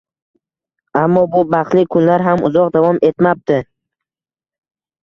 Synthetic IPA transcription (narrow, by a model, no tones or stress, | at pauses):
amːɒbʊbaχlɪkʰʊnlaɾɦamʊ̰zɒq̚d̪avɒme̞t̪map̚t̪ɪ